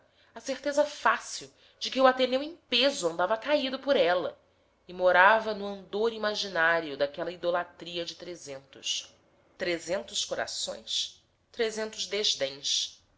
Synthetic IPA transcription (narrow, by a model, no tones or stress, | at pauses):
ɐseχt̪ezɐfasiw | d͡ʒɪkɪuat̪enewẽpezʊɐ̃nd̪avɐkaid̪ʊpʊɾɛlɐ | ɪmoɾavɐnʊɐ̃nd̪oɾimaʒinaɾjʊd̪akɛlɐid̪olat̪ɾiɐd͡ʒɪt̪ɾezẽnt̪ʊ̰s | t̪ɾezẽnt̪ʊskoɾa̰sõ̰j̃s | t̪ɾezẽnt̪ʊzd̪eʒd̪ẽj̃s